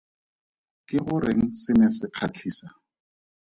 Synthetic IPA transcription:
kɪχʊɾeŋ̩sɪnɛsɪq͡χʰat͡ɬʰiːsa

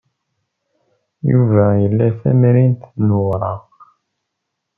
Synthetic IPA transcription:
juvæjəlːæθæ̰mɾint̪nuɾˤɑ

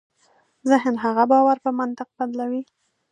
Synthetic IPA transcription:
zɪɦnɦaɣabɑwaɾpəmant̪ɪq̚b̥ad̪lawi

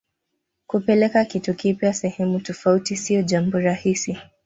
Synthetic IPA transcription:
kupɛlɛkakitukipjasɛhɛmutɔfautisiɔʄambɔɾahisi

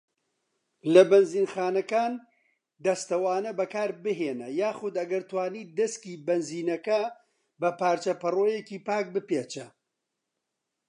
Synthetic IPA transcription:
lɐbɐnziːnxaːnɐkaːn | d̪ɐst̪ɐwaːnɐbɐkaːɾbɨɦeːnɐjaːxʊd̪ɐɡɐɾt̪waːniːd̪ɐskiːbɐnziːnɐkɐ | bɐpaːɾt͡ʃɐpɨroːjeciːpaːk̚bɨpeːt͡ʃɐ

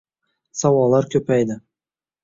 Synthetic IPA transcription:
sɑwɑlˠːɑɾkʲʰɵpæjd̪ɪ

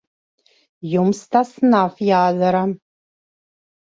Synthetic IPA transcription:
jumst̪ʰasnafjaːzɐɾa

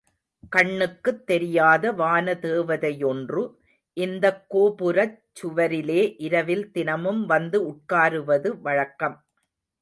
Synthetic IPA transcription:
kɐɳːɯkːɯt̪ːɛɾɪjaːðɐʋaːnɐt̪eːʋɐðɐjɔndrɯ | ʔɪnd̪ɐkːoːpɯɾɐt͡ʃːʊʋɐɾɪleːʔɪɾɐʋɪlt̪ɪnɐmɯmʋɐnd̪ɯʊʈ̚kaːɾɯʋɐðɯʋɐɻɐkːɐm

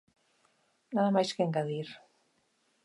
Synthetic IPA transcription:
naðamajskeŋɡaðiɾ

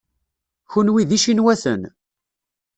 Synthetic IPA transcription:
çunwiðiʃinwæθə̰n

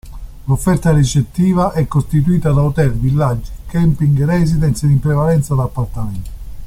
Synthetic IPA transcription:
lofːɛrt̪aɾet͡ʃet̪ːiːvaʔɛkːost̪it̪uiːt̪ad̪aot̪ɛɾvilːad͡ʒːikɛmpiŋɡrɛzid̪ɛnt̪sed̪impɾɛvalɛnt̪sad̪apːart̪amɛnt̪o̥

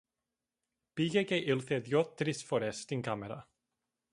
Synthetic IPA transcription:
b̥ɪɡɛɡejʔɪlˠθɛðjɔd̚d̥rɪsfɔɾɛstɪnkʰamɛɾa̰

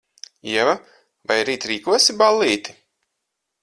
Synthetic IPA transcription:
iɛva | vajɾiːt̪ɾiːkuɔsibalʲːiːt̪i

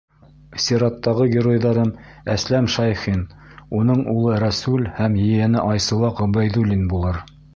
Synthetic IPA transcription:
sʲiɾɑt̪ːɑʁɤɡʲɪɾojðɑɾɤm | æslæmʃɑjχin | unɤɴulˠɤɾæsulhæmjɘ̆jɘ̆nɘʔɑjsɤ̆wˠɑqŏbæjðulʲinbulˠɤɾ

